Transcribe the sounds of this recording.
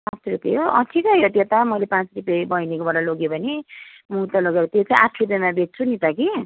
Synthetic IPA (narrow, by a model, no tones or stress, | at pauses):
pãt͡srupjḛɦoʔʌ̰ʈʰikʌjot̪jet̪amʌjlepãt͡srupjebʌjnekobʌɾaloɡjobʱʌne | muɦt̪aloɡeɾʌt̪jet͡saĩʔaʈʰrupjʌmabʱet̚t͡sʰunit̪ʌki